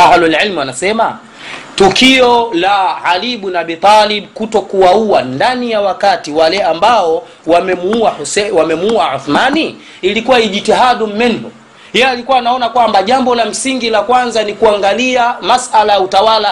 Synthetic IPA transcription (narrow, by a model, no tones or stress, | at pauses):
ahlulʕilmuanasɛma | tukiɔlaʕaliɓunaaɓit̪ˤɑliɓkutɔkuwauandanijawakatiwalɛambaɔ | wamɛmuuausɛwamɛmuuaʕuθmani | ilikuwaiʄitɛɦaɗum̩mɛnbɔ | jɛalikuwanaɔnakwambaʄambɔlam̩siŋɡilakwanzanikuaŋɡaliamasalajautawala